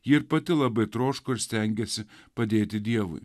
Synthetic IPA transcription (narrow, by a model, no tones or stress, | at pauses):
jiːɪɾpɐt̪ʲɪlˠɐbɐɪt̪ɾoːʃkʊɪɾsʲt̪ʲɛŋʲɡʲɛsʲɪpɐd̪ʲeːt̪ʲɪd̪ʲiɛʋʊ̰ɪ